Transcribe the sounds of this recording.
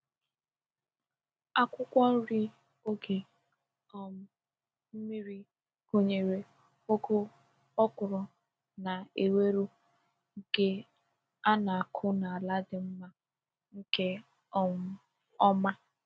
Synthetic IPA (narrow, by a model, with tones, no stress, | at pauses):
a˦kʷʊ˦kʷɔ˦ɾi˦ | o˦ɡe˨ | ɔ˦m̩˦ | m̩˦mi˦ɾi˦ | ko˦ɲe˨ɾe˨ | o˦kʊ˦ | ɔ˦kʊ˨ɾɔ˨ | na˨e˨we˦ɾu˦ | ɡe˨ | a˦na˨a˨kʰʊ˦na˨a˨la˦dɪ˨m̩˦ma˦ | ŋ̩˦ke˦ | ɔ˦ŋ̩˦ | ɔ˦ma˦